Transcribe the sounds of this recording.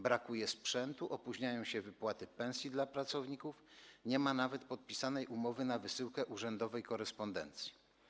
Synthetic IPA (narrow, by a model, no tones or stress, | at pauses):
bɾakujɛspʂɛnt̪uʔɔpuʑɲajɔ̃w̃ɕɛvɘpwat̪ɘpɛ̃w̃sʲjid̪lapɾat̪sɔvɲikufɲɛmanavɛt̪pɔt̪̚pʲisanɛjʔumɔvɘnavɘsɘwkɛʔuʐɛnd̪ɔvɛjkɔɾɛspɔnd̪ɛ̰nt̪sʲji̥